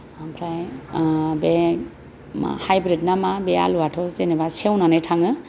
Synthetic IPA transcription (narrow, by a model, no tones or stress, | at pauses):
ampʰɾaj | be | ma̰hajbɾid̚namabea̰luatʰɔzenebasewnanɯjtʰaŋɯ